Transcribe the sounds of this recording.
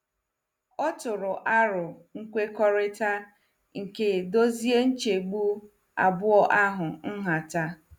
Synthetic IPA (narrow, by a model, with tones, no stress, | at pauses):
ɔ˦tʊ˨ɾʊ˨ʔa˦ɾʊ˨ŋ̩˦kʷe˦kɔ˦ɾɪ˦ta˦ | ŋ̩˨ke˦˨do˦zi˦e˦n̩˦t͡ʃe˨ɡ͡bu˦ | a̰˨bʊ˦ɔ˦ʔa˦ɦʊ˨n̩˦ɦa˨ta˦